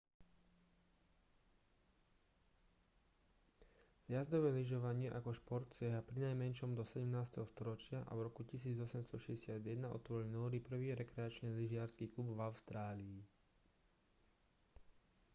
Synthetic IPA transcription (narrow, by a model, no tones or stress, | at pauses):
zjazd̪ɔʋɛːliʒɔʋaɲɪɛʔakɔʃpɔɾt̪t͡sɪɛɦapɾinajmɛnʃɔmd̪ɔsɛɟɛmnaːst̪ɛɦɔst̪ɔɾɔt͡ʃɪaʔa̰vɾɔkucisiːd͡zɔsɛmst̪ɔʃɛɟɛsɪad̪jɛd̪naɔ̰t̪ʋɔɾilnɔːɾipr̩ʋiːɾɛkɾɛat͡ʃniːliʒɪaɾskiːklubvaʊst̪ɾaːliː